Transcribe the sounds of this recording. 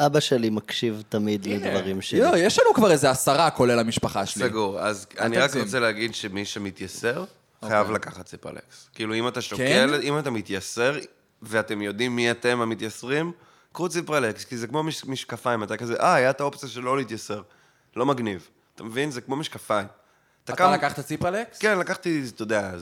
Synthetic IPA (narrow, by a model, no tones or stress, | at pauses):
ʔabaʃelimakʃivt̪amid̪led̪vaʁimʃeojeʃlanukvaʁezeasaʁakolelamiʃpaχaʃesleɡuʁa̰zaniʁakʁot͡seleaɡid̪ʃemiʃemit̪jase̞ʁ | χajavlakaχat̪sipḛlḛkskiːluimataʃtokelimatamit̪jase̞ʁ | veate̞mjo̞d̪imːiat̪e̞mamit̪jasʁim | kʁut͡sipelekskizekmo̞miʃmiʃkafaimatakazeʔaajat̪ao̞pt͡sijaʃelo̞lit̪jase̞ʁ | lo̞maɡniv | at̪amevinzekmo̞miʃkafaim | at̪akalakaχt̪at͡siplekkenlakaχt̪it̪od̪ea